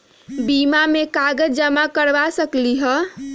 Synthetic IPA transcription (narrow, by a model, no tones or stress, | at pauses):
bimamekaɡəd͡ʒd͡ʒəmakəɾbasəkliɦə